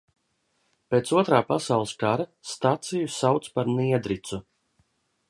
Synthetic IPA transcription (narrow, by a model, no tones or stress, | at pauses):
peːt̪suɔt̪ɾaːpasawlˠɨskaɾast̪at̪sijusawt̪spaɾniɛd̪ɾit̪su